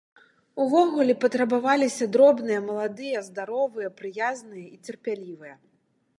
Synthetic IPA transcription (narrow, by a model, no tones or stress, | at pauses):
uvɔɣulʲɛpɐt̪ɾɐbavalʲisʲɐd̪ɾɔbnɨjɐmɐlˠad̪ɨjɐzd̪aɾɔvɨjɐpɾɨjaznɨjɐit͡sʲɛrpʲalʲivɨjɐ